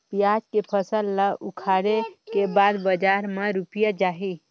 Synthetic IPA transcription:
pijaːd͡ʒkepʰəsəlːaʔʊkʰaːɽekebaːd̪bəd͡ʒaːɾmeɾupjad͡ʒaːɦi

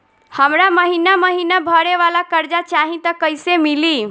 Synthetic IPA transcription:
həmɾaməɦinaməɦinabʱəɾeʋalakəɾd͡ʒat͡ʃaɦĩt̪əkəjsemili

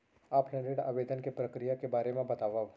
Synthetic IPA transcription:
aːpɦɛ̃ɳɖeɖa̰ːʋeːd̪ənkepɾɐkɾijakebaːɾemẽbɐt̪aːʋaːo

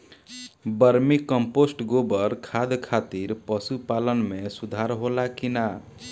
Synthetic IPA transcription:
bəɾmikəmposʈɡobəɾkʰad̪kʰat̪iɾpəsupalənmesud̪ʱaɾɦolakina

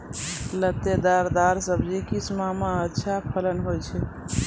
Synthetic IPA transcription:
lət̪ed̪aɾd̪aɾsəbd͡ʒikismameətːʃʰapʰələnɦojt͡ʃʰɛ

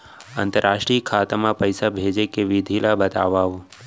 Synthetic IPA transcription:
ə̰nt̪əɾaʃʈɾiəkʰat̪amãpəjsabʱed͡ʒekeʋid̪ʱilabət̪a̰ʋaʋu

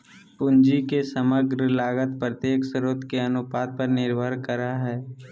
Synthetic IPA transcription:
pʊ̃nd͡ʒikesəməɡɾəlaːɡət̪pɾət̪jeːksəɾoːt̪keɐnʊpaːt̪̚pəɾnɪɾbʱəɾkəɾaɦɛː

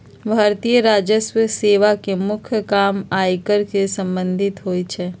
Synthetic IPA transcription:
bʱaːɾt̪ijəɾaːd͡ʒəswəseːʋakemʊkʰjəkaːmaːjkəɾkesə̃mbə̃nd̪ʱɪt̪ɦoːit͡ʃʰɛː

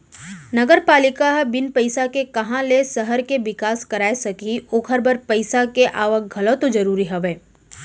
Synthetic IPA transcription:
nɐɡəɾpaːlɪkabɪnpɐɪsakekɐɦãlesɐɦəɾkeʋɪkaːskɐɾaːesɐkiʊːkʰəɾbəɾpɐɪsakeʔaːʋək̚ɡʱɐlot̪od͡ʒɐɾuːɾiɦɛʋeː

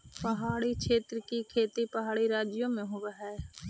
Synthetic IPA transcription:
pəɦaːɽikʃʰeːt̪ɾəkikʰeːt̪ipəɦaːɽiɾaːd͡ʒɪjõmẽɦoʋaɦɛː

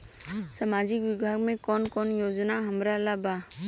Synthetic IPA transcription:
samad͡ʒɪkwɪbʱaːɡmẽkɔːnkɔːnjod͡ʒnaɦɐmɾalaba

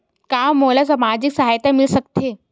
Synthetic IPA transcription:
kamːolas̬amad͡ʑiksaɦajt̪amilsəkt̪e

